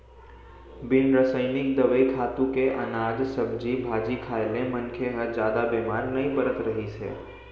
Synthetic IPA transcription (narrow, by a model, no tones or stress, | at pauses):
bɪnɾəsəɪnɪkd̪əʋəikʰat̪ũkeʔənad͡ʒsəbd͡ʒibʱad͡ʒikʰaelẽmənkʰeɦəd͡ʒaːd̪abimaɾnəĩpəɾət̪ɾəɦit͡ʃʰḛ